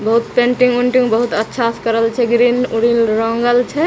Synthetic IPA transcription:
bəɦut̪pẽɳʈĩŋɡuɳʈĩŋɡbəɦut̪ətːʃʰaskəɾəlt͡ʃʰɛɡɾinuɾinɾɔŋɡəlt͡ʃʰɛ

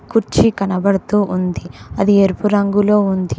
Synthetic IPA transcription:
kuɾt͡ʃikɐnɐbɐɽɐt̪uːʔund̪iɐd̪ieɾpuɾɐŋɡulo̞ːund̪i

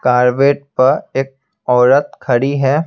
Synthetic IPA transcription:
kaːɾʋeːʈ̚pɐɾeːk̚ | ɔːɾət̪kʰɐɽiɦɛː

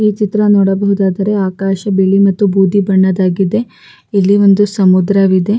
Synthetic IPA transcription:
iːt͡ʃit̪ɾɐnoːɽɐbɐɦud̪aːd̪ɐɾe̞aːkaːʃɐbeɭimɐt̪ːubʱuːd̪ʱibɐɳːɐd̪aːɡid̪e̞ | ilːiʋo̞nd̪usɐmud̪ɾɐʋid̪e̞

